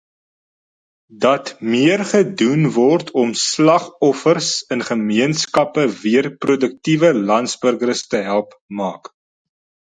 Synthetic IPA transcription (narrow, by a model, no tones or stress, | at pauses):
dɐtmiərχədunvɔrtʰɔmslɐχɔfərsənχəmiənskɐpəviərprudək̚tivəlɐntsbərɡəɾstəɦælˠp | mɑːk